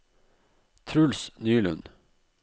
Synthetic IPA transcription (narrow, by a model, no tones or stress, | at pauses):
t̪ʰɾʉlsnyːlʉ̰n